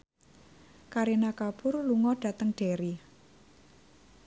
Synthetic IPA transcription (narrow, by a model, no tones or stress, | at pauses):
kaɾinakab̥ʊrluŋɔɖ̥a̤t̪əŋɖ̥eɾi